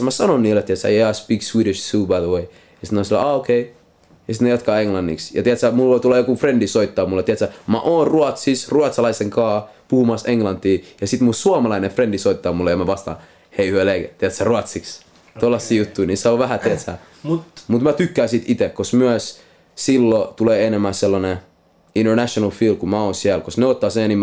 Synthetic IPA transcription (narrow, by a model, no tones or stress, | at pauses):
mæsɑnonniːlːet̪iæt̪sæ̰jeɑspikswiːɾiʃsuːbæðwei | jɑsinosilːæ̰ɑokʰei | jɑsit̪nejɑt̪kɑːeŋlɑnːḭksjɑ̰t̪iæt̪sæmulʋoit̪ulːɑjokufrendisoit̪ːɑːmulːett̪iæt̪sæmæ̰ʔoːnruɑt̪sisruɑt̪sɑlɑiseŋkɑː | puhumɑseŋlɑnt̪ːiːjɑsit̪musuɑmɑlɑinefrendisoit̪ːɑːmulːejɑmæʋɑst̪ɑ̰ːn | heihyøleiket̪iæt̪særuɑt̪siks | t̪olːɑsːiːjut̪ːuiniseoʋʋæhæt̪iæt̪sæ̰ | mut̪mæt̪ykːæːsit̪it̪ekosmyæs | silːot̪uleːenemːæselːɑne | indernæʃonɑlfiːl̚kumæoːnsiælkosneot̪ːɑːsẽnim